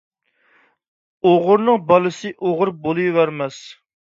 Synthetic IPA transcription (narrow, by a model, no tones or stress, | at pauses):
oʁʊɾnɨŋbɑlˠɨsɨʔoʁʊɾbolˠujwæɾmɛs